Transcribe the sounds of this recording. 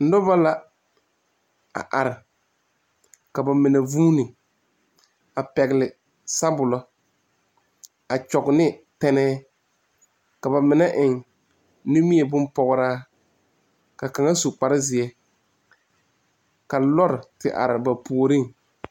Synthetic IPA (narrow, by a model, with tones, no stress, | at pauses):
n̩˦dɔ˦ba˦la˦ | a̰˨ʔa˨ɾɪ˨ | ka˨ba˨mɪ˨na˨vuː˦nɪ˨ | a˨pɛ˨ɣɪ˨lɪ˨ | sa˦bʊ˨lɔ˦ | a˨t͡ʃɔ˨ɡnɪ˦tɛ˦nɛː˦ | ka˨ba˨mɪ˨na˦ʔɪ˨ŋ | nu˦mi˦ɛ˨bʊ˦n˦pɔ˨ɣʊ˦ɾaː˦ | ka˨ka˨ŋa˦su˨k͡pa˦ɾɪ˦zɪ˨ɛ˦ | ka˨lɔ˦ɾɪ˨tɪ̰˨ʔa̰˨ɾɪ˨ba˨pu˨o˨ɾi˦ŋ